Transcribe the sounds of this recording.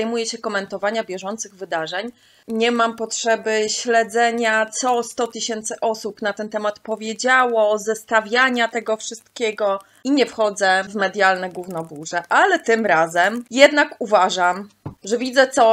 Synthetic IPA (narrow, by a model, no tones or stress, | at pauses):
ajmujɛɕɛkɔmɛnt̪ɔvaɲabʲjɛʐɔnt̪sɘɣvɘd̪aʐɛɲ | ɲɛmampɔtʂɛbɘɕlɛd̪zɛɲat̪sɔst̪ɔt̪ɘɕɛnt̪sɘʔɔsupnat̪ɛnt̪ɛmat̪pɔvʲjed͡ʑawɔzɛst̪avʲjaɲat̪ɛɡɔfʂɘst̪kʲɛɡɔ | iɲɛfxɔd̪zɛvmɛd̪ʲjalnɛɡwuvnɔbuʐɛʔalɛt̪ɘmɾazɛmjɛd̪nakuvaʐam | ʐɛvʲid̪zɛt̪sɔ